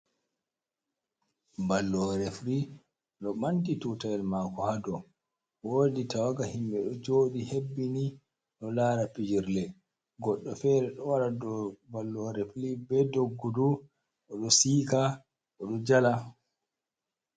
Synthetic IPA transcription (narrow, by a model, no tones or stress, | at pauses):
balːɔɾɛfɾi | ɗɔmantitutajɛlmakɔhadɔ | woːditawaɡahimɓɛɗɔd͡ʒoːɗihebːini | ɗɔlaːɾapid͡ʒiɾlɛ | ɡɔɗːɔfɛɾɛɗɔwaɾadɔbalːɔɾeflibɛdoɡːɔdu | ʔɔɗɔsika | ʔɔɗɔd͡ʒala